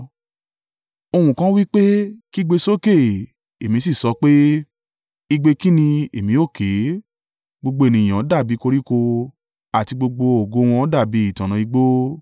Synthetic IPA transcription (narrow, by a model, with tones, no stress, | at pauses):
o˧hũ˨kã˦wi˦k͡pe˦ki˦ɡ͡be˧so˦ke˦˨ | e˨mĩ˧s̬i˦˨sɔ˨˧˦k͡pe˦ | i˧ɡ͡be˧ki˦nĩ˧e˨mĩ˨˧˦o˦˨kʰe˨˦ | ɡ͡bo˧ɡ͡bo˧e˨nĩ˨j̃ã˨˦da˦˨bi˨˦ko˧ɾi˦ko˧ | a˨ti˧ɡ͡bo˧ɡ͡bo˧o˨ɡo˧˦w̃ɔ̃˧˦da˦˨bi˨˦i˦˨tã˨nã˨˧i˧ɡ͡bo˦